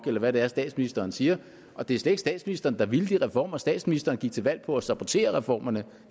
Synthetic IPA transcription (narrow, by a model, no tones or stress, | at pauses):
ɡ̥elɐʋæɾ̥e̝æɐsd̥ɛ̰ːd̥sminisd̥ɐːnsiːɐ | ʔɒ̽d̥e̝æɐsled̥e̝ɡsd̥ɛ̰ːd̥sminisd̥ɐːnəd̥ɑ̈ʋiləd̥iʁɛfɒ̰ːmɐsd̥ɛ̰ːd̥sminisd̥ɐːnəɡ̥iɡ̥̚t͡sʰe̝lʋæl̰pʰɒ̽æsɑ̈b̥ot͡sʰe̝̰ːɐʁɛfɒ̰ːmɐnə